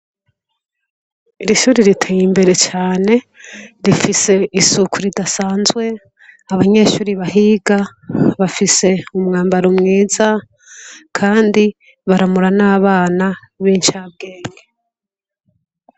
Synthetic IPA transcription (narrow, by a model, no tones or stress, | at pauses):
iɾiʃuːɾiɾitʰeːjimbe̞ɾe̞t͡ʃaːne̞ | ɾifise̞isukʰuɾidasaːnzwe̞ | aβaɲe̞ʃuːɾiβahiːɡaβafise̞umŋaːmbaɾumŋiːza | kʰaːndi | βaɾamuɾanaːβaːna | βiːnʃaːb̚ɡe̞ːŋɡe